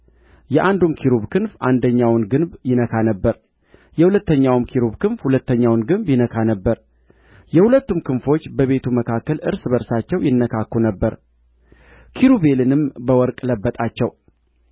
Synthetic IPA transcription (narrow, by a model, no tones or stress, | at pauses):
jɛʔand̪umkʰiɾuβkʰɨnfʔand̪əɲːawnɡɨnbjɪnəkʰanəbːəɾ | jɛhulət̪ːəɲːawmkʰiɾubkɨnfhulət̪ːəɲːawnɡɨnbjɪnəkʰanəbːəɾ | jɛhulət̪ːumkʰɨnfo̞t͡ʃːbəβe̞t̪ʰuməkʰakːəlɨɾsbəɾsat͡ʃːɛwjɪnːəkʰakːunəbːəɾ | kʰiɾuβe̞lɨnɨmbəwɔɾkʼləbːət̪ʼat͡ʃːɛw